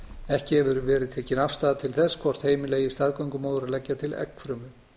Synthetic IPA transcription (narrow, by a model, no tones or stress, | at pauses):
ɛhcɪhɛvʏɾʏvɛːɾɪðt̪ʰɛːcɪnafst̪aːðat̪ʰɪlθɛsːkʰvɔr̥t̪heːjmɪleːjɪst̪aːðkœɥŋkʏmoːðɾalɛcːat̪ʰɪlɛ̰kfɾœːmʏ